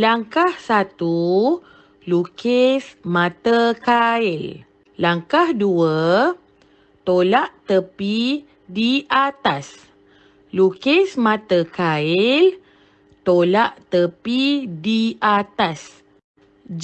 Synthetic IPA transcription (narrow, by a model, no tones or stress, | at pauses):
laŋkahsat̪u | lukesmãt̪əkaɪl | laŋkahduə | t̪olaʔt̪əpi | diʔat̪as | lukesmãt̪əkaɪl | t̪olaʔt̪əpidiat̪as